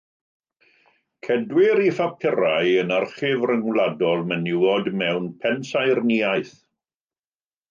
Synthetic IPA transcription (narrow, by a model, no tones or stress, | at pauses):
kʰɛdwɪɾifapʰɪɾajənarχɪvrəŋwladɔlˠmənɪwɔdmɛwnpʰɛnsajrniajθ